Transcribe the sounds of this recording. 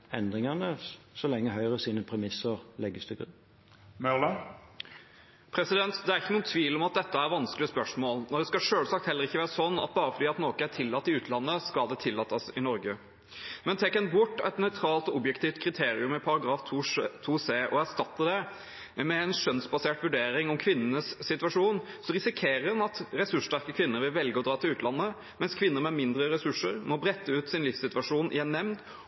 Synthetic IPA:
ɛnd̪ʁɪŋɑnəsɔlɛŋːəɦœʏʁəsiːnəpʰɾɛmɪsəʁlɛɡːəst̪ʰɪɡʉ̰n | mœlə | pʰɾɛsɪd̪ɛnt̪d̪ɛæɾɪçːənuːənt̪ʰʋiːlɔmɑt̪̚d̪ɛt̪ːəæɾʋɑnsklɪəspœʂmoːlnɔd̪ɛskɑʂøːlsɑkt̪hɛlːəɾɪçːəʋæːɾəsɔnːɑ̰t̪̚bɑːɾəfɔɖ̪iːɑt̪noːkəæt̪ʰɪlːɑt̪ːɪʉːt̪əlɑnːəskɑld̪ɛt̪ʰɪlːɑt̪ːɑsɪnɔɾɡə | mɛnt̪ʰɛkːənbʊʈːɛt̪nœʏt̪ʰɾɑːlt̪ɔɔbjɛkt̪iːft̪kʰɾɪt̪ʰeːɾɪʉmɪpʰɑɾɑɡɾɑːft̪ʰut̪ʰuːseːʔɔæʂt̪ɑt̪ːəd̪ɛ | mɛɛnʂœnsbɑseːʈʋʉɖeːɾɪŋɔmkʰʋɪnːənəsːɪt̪ʋɑʂuːn | sɔɾɪsɪkʰeːɾəɛnɑt̪ɾɛsʉʂʈæʁkəkʰʋɪnːəɾʋɪlʋɛlɡəɔd̪ɾɑːt̪ɪlʉːt̪lɑnːə | mɛnskʰʋɪnːəɾmɛmɪnd̪ɾəɾɛsʉʂːəɾmɔbɾɛt̪ːəʉːt̪sɪnlɪfsɪt̪ʋɑʂuːnʔɪ̰jɛnːɛmnd̪

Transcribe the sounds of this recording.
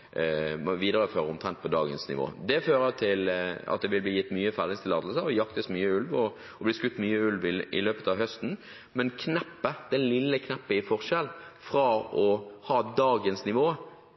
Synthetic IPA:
ʋiːd̪əʁəføːʁəʊmt̪ʰʁɛnt̪̚pʰɔd̪ɑːɡə̰nsnɪ̰ʋo̰ːd̪ɛføːʁət̪ʰɪlɑ̰t̪̚d̪ɛʋɪlbliːjɪt̪ːmyːəfæʁd̪ɪst̪ʰɪlɑːd̪əlsəɔjɑkt̪əsmyːəʉlʋɔ | ɔblɪːskʉt̪ːmyːəʉlʋɪɪ̰løːpət̪ɑʋɦœst̪n̩ | mɛnkʰnɛpːəd̪̥ɛlɪlːəkʰnɛpːɪfɔʁʃɛlfʁɑɔhɑːd̪ɑːɡənsnɪʋoː

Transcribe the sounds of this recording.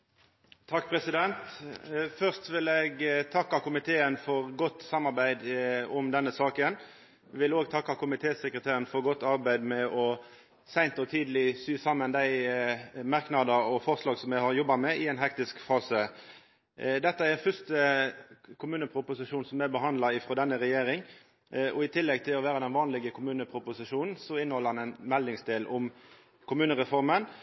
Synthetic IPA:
t̪ʰɑkːpʰɾɛsɪd̪ɛnt̪ | fœʁst̪ʋɪlɛɡt̪ʰɑkːɑkʊmɪt̪ʰeːənfɔʁɡɔt̪ːsɑmːɑʁbæɪd̪ɔmd̪ɛnːəsɑːkən | ʋɪloːɡt̪ʰɑkːɑkʊmɪt̪ʰeːsəkɾət̪ʰeːɾənfɔɾɡɔt̪ːɑɾbæɪd̪mɛʔɔ | sæɪnt̪ɔt̪ʰiːd̪əlɪsyːsɑmːənd̪æɪ | mɑʁknɑd̪əɔfɔʁslɑːɡsɔmjæhɑɾjɔbːɑmɛʔɪɛɪnɦɛkt̪ɪskfɑːsə | d̪ɛt̪ːəæɾfʏstə | kʰʊmʉːnəpʰɾʊpʊsɪʂuːnsɔmɛbəɦɑnd̪lɑɪfʁɔd̪ɛnːəɾɛjeːɾɪŋ | ʔɔɪt̪ʰɪlːɛɡ̚t̪ʰɪlɔʋæːɾəd̪ɛnʋɑːnlɪɡəkʰʊmʉːnəpʰɾʊpʊsɪʂuːnn̩sɔɪnːəhɔlːəɾhɑnɛnmɛld̪ɪŋsd̪eːlʔʊm | kʰʊmʉːnəɾɛfɔɾmən

